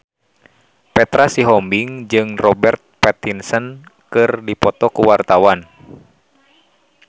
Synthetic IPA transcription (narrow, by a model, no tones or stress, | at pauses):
pɛt̪ɾasiɦɔmbiŋd͡ʒɨŋrɔbɛrt̪̚pɛt̪insənkɨrdipɔt̪ɔkuwart̪awan